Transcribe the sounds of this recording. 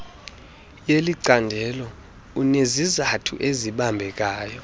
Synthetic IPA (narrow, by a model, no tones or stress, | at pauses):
jeliǀandʱɛlɔ | unezizatʰṵʔeziɓambʱɛk̬aːjɔ